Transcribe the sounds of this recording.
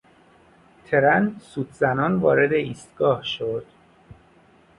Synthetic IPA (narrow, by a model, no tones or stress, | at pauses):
t̪ʰeɾænsuːd̪zænɒːnvɒːɾe̞d̪e̞iːst̪ɡɒːhʃod̪̥